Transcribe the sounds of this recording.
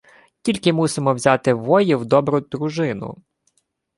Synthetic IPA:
tʲilʲkɪmusɪmɔwzʲat̪ɪʋɔjɪwd̪ɔbɾʊd̪ɾʊʒɪnʊ̰

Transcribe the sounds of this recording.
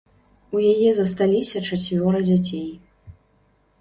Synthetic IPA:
ujajɛzɐst̪alʲisʲɐt͡ʂat͡sʲvʲɔɾɨd͡zʲat͡sʲej

